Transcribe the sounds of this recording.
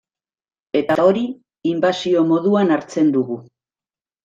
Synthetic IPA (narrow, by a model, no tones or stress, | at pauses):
e̞t̪ao̞ɾi | imbasio̞mo̞ðuanaɾt͡se̞nd̪uɣu